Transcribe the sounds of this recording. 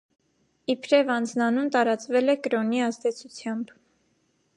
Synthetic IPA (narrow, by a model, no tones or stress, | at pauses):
ipʰɾɛvɑnd͡znɑnunt̪ɑɾɑt͡svɛlɛkɾɔniɑzd̪ɛt͡sʰut͡sʰjɑmb